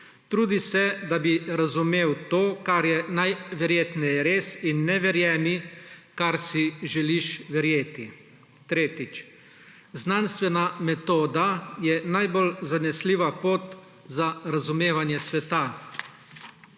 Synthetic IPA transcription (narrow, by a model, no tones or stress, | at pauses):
t̪ɾuːd̪isɛd̪abiɾazumeːwt̪oːkaɾjɛnajʋɛɾjeːt̪nɛjɛɾeːsinːɛʋɛɾjɛːnikaɾsiʒɛliʃʋɛɾjeːt̪i | t̪ɾeːt̪it͡ʃ | znanst̪ʋɛnamɛt̪oːd̪ajɛnajbolzanɛsliʋapoːt̪ | zaɾazumeːʋanjɛsʋɛt̪a